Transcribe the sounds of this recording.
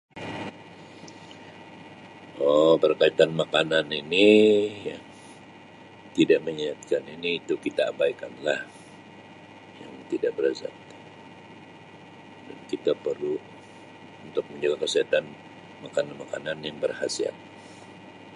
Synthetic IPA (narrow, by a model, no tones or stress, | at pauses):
ɔpərkait̪anmakananinija | t̪idaʔməɲiat̪̚kaniniːt̪ukit̪a̰ːbaikanlah | jaŋt̪idaʔbəɾaza̰t̪̚ | dankit̪apərlu | unt̪ʊk̚məɲd͡ʒaɡakəsiɦat̪an | makananmakananjaŋbərhasia̰t̪̚